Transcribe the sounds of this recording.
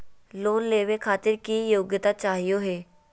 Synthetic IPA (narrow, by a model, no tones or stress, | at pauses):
loːnleːʋeːkʰaːt̪ɪɾkiːjoːɡjət̪aːt͡ʃaːɦijoːɦeː